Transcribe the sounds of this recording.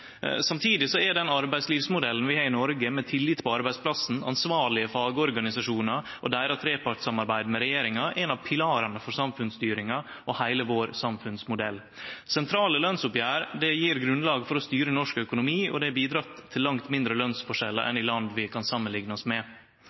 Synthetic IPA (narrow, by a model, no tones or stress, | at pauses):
sɑmt̪ʰiːd̪ɪsɔɛɖɛnɑɾbæɪsliːʋsmʊd̪ɛlən̩ʋɪhɑːɾɪnɔɾɡəmɛt̪ʰɪlːɪt̪pʰɔɑɾbæɪspʰlɑsn̩ɑ̰nsʋɑːɭɪəfɑːɡəɔɾɡɑnɪsɑʂuːnɑ | ʔɔd̪æːɾɑt̪ʰɾeːpɑʈsɑmɑɾbæɪd̪mɛɾɛjeːɾɪŋɑʔɛnɑʋpʰɪlɑːɾɑnəfɔɾsɑmfʉnst̪yːɾɪŋɑ | ɔhæɪləʋoːɾsɑmfʉnsmʊd̪ɛlː | sɛnt̪ʰɾɑːləlœnsʊpjæːɾd̪ɛjiːɾɡɾʉnlɑːɡfɔɾɔst̪yːɾənɔʂkœkʊnʊmiːɔ̰d̪ɛæbiːd̪ɾɑt̪ʰːɪlːɑŋt̪mɪnd̪ɾəlœnsfɔʂɛlːə̰ɾʔɛ̰nɪlɑnd̪ʋɪkʰɑnsɑmːənlɪŋnəɔsmɛ